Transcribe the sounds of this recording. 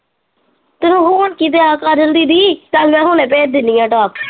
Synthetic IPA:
t̪enõːɦuːəɳkiːt̪̬eːaːkaːd͡ʒəld̪iːd̪iːt̪aːmɛ̃ːɦoːnẽːp̬eːɾ̚d̪ɪniːãːʈaːp

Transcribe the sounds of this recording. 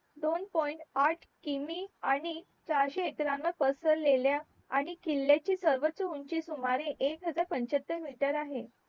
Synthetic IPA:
d̪onpɔjɳʈaʈʰkimiːaɽ̃i | t͡ɕaɾɕeet̪ɾanʋəpəsəɾlelja | a̰ɽ̃ikilːjat͡ɕiːsəɾʋət̪t͡səuɲt͡ɕiːsumaɾeʔekɦəd͡zaɾpəɲt͡ɕət̪ːəɾmiʈəɾaɦe

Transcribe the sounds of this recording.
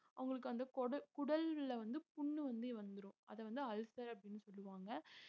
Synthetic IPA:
ʔɐʋɐŋɡɐɭɯkːɯɐnd̪ɐkɔɽɐkʊɽɐlʋɪlɐʋɐnd̪ɯpʊɳːɯʋɐnd̪eʋɐnd̪ɯɾʊ̃ʔɐ̰ðɛʋɐnd̪ɯɐlsɐɾɐpːɐɽɪnːɯsɔlːɯʋaːŋɡɐ

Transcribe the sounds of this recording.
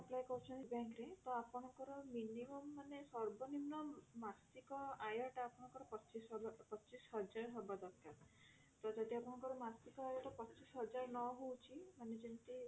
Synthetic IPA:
aplajkɔɦut͡ʃʰɔnibãŋkɾet̪ɔapɔɽ̃ɔkɔɾɔminimɔmːanesɔɾbɔnimnɔmast̪ikɔajɔʈɔapɔɽ̃ɔ̃ŋkɔɾɔpɔt͡ʃisbpɔt͡ʃisɦɔd͡ʒaɾɦɔbad̪ɔkʰːa | t̪ɔd͡ʒɔd̪iapɔɽ̃ɔŋkɔɾɔmast̪ikɔajɔʈɔpɔt͡ʃisɦɔd͡ʒaɾnɔɦowt͡ʃʰimaned͡ʒint̪i

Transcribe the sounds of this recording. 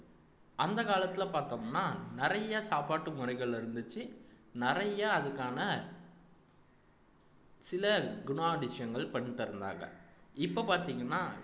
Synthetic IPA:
ʔɐnd̪ɐkaːlɐt̪ːɪlɐpaːɾt̪oːmnːaːnɪɾɐjaːsaːpaːʈːɯmʊrɐɪɣɐɭɪɾɯnd̪ɯt͡ʃːɯnɪrɐjaɐðɯkːaːnɐ | sɪlɐɡʊɳaːɖɪʂɪjɐŋɡɐɭpɐɳːɪʈːɪɾɯnd̪a̰ːŋɡɐ̰ɪpːopaːɾt̪iːŋɡɐnːaː

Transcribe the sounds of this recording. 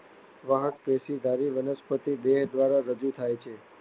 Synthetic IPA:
ʋaɦəkpesid̪ʱaɾiʋənəspət̪id̪eɦd̪ʋaɾaɾəd͡ʒut̪ʰajt͡ʃʰe

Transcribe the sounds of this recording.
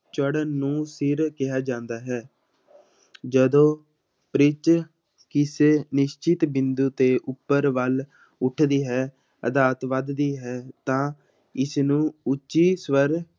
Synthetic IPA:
t͡ʃəɽənːũːsɪɾkɪɦaːd͡ʒãːnd̪aːɦɛː | d͡ʒəd̪õː | pɾɪt͡ʃ | kɪseːnɪʃt͡ʃɪt̪bɪnd̪uːt̪eːʔʊpːəɾʋəl | ʊʈʰd̪iːɦɛː | əd̪aːt̪ʋəd̪d̪iːɦɛːt̪ãː | ɪsnũːʊt͡ʃːʃiːsʋəɾ

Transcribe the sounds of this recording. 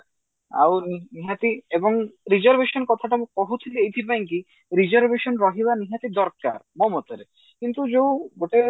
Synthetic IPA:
a̰wniniɦat̪iebɔŋɾizɔɾbeʃɔnkɔt̪ʰaʈamũkɔɦut̪ʰiliejt̪ʰipajŋki | ɾizɔɾbeʃɔnɾɔɦiβaniɦat̪id̪ɔɾka̰ɾmɔmɔt̪ɔɾe | kint̪ud͡ʒewɡoʈe

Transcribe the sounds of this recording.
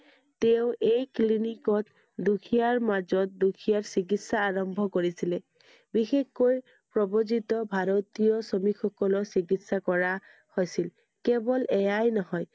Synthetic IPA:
teʊ̃ʔejklinikɔt | dukʰijaɹmazɔt̚dukʰijaɹsik̬itsaːɹɔmbʱɔkoɹisile | bixexkoj | pɹɔbozitɔbʱaɹot̪ijɔsɔmixʰɔkɔlɔsikitsakɔɹa | hojsil | kebɔlɛjajnɔɦɔj

